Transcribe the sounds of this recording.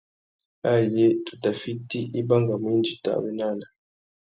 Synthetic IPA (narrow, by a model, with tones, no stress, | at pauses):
a˦˨je˦tu̥˨ta˨fi˦ti˦ʔi˦ba˦ŋɡa˨m˨˦i˦nd͡ʒi˨ta̰˨bɛ˦na˦˨na˨